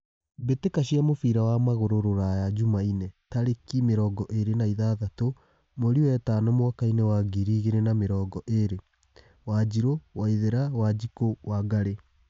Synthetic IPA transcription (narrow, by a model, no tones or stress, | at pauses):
betekaɕiamofiɾawamaɣoɾoɾoɾajad͡ʑumainɛtaɾekimeɾɔːɡɔʔeɾenaiðaːðato | moɾiɛtanomwakainɛwaɡiɾiːɣeɾenameɾɔːɡɔʔeɾe | wad͡ʑiɾowaiðeɾawad͡ʑikowaɡaɾe